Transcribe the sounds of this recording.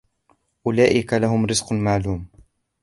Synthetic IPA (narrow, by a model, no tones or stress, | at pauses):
ʔʊlaːʔɪkalahʊmɾɪzqmaʕluːm